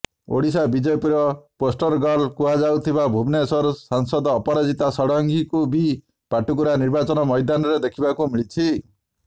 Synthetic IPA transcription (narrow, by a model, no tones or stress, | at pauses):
o̰ɽisabid͡ʒepiɾɔposʈɔɾɡalkuɦad͡ʒawt̪ʰibabʱubnesɔɾsaŋsɔd̪ːpɔɾad͡ʒit̪asɔɽɔŋɡikubi | paʈukuɾaniɾbat͡ʃɔnɔmɔjd̪anɔɾed̪ekʰibakumiɭit͡ʃʰi